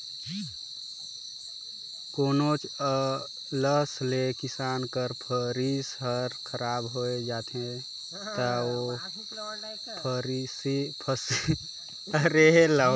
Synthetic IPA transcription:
koːnot͡ʃ | ləslekisaːnkəɾpʰəɾisɦəɾkʰəɾaːbɦoed͡ʒaːt̪ẽ | t̪əo | pʰɾsipʰəs | ɾeɦela

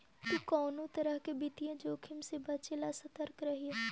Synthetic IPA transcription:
t̪okɔːnõt̪ɐɾəɦkebɪt̪ijãd͡ʒoːkʰɪmsebɐt͡ʃelasɐt̪əɾkɾɐɦiɛː

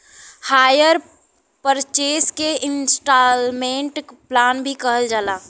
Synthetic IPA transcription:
haːjəɾ | pəɾt͡ʃeːskeɪnsʈalmẽɳʈplaːnbʱikəɦəld͡ʒaːlaː

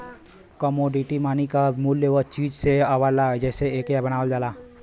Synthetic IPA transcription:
kəmoːɖiʈimaːnikamuljeʋət͡ʃiːd͡ʒseaʋalad͡ʒɛːseeːkjabɐnaːʋəld͡ʒaːlaː

